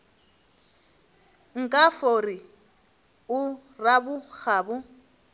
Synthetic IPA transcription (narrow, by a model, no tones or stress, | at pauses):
ŋ̩kʼafori | ʊ | rabʊk͡xʰaːbʊ